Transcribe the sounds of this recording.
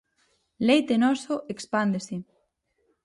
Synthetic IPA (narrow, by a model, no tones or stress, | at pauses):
lejt̪enosoʔekspand̪ese